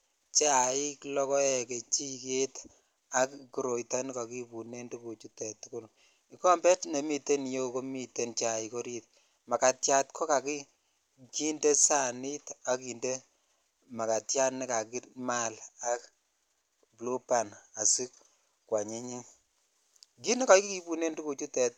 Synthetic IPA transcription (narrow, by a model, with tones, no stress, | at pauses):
t͡ʃa˨i˦klɔ˦kɔ˦ɛ˨ke˨t͡ʃi˦ke˦t | a˦kki˨˦ɾo˨jta˦ni˦ka˨ki˦pu˨ne˦ndu˦ku˨t͡ʃu˦tɛ˨tu˦kʊ˦l | i˦kɔ˦mbɛ˦tne˨mi˨te˦n˨jo˦ko˦mi˨te˨nt͡ʃa˨i˨ko˦ɾi˦t̚ | ma˨ka˨tja˦tkʰɔ˦ka˨ki˦ | ki˦nde˦sa˨ni˦ta˨˦ki˨nde˦ | ma˨ka˨tja˦tni˦ka˨ki˦tma˦la˦k | blo˦pa˨na˨si˦k | kwa˨ɲi˦ɲi˦ŋ | ki˦ni˦ka˨ki˦ki˦pu˨ne˦ndu˦ku˨t͡ʃu˦tɛ˨t